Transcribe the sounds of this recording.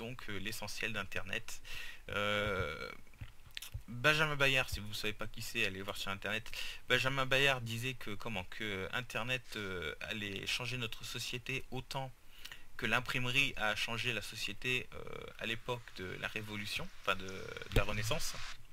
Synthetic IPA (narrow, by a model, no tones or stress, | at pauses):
d̪ɔ̃kʰølesɑ̃sjɛld̪ɛ̃t̪ɛʁnɛ̰t̪ø | bɛ̃ʒamɛ̃bajaʁsivunsavepakʲisɛalevwaʁsyʁɛ̃t̪ɛʁnɛt̪b̥ɛ̃ʒamɛ̃bajaʁd̪izɛkʰəkɔmɑ̃kʰəɛ̰̃t̪ɛʁnɛt̪øa̰lɛʃɑ̃ʒenɔt̪χəsɔsjet̪eot̪ɑ̃ | kəlɛ̃pχimʁiʔaʃɑ̃ʒelasɔsjet̪eø̰a̰lepɔkd̪ə̰lʔa̰ʁevɔlysjɔ̃ɑ̃fɛ̃d̪əd̪əlaʁənesɑ̃s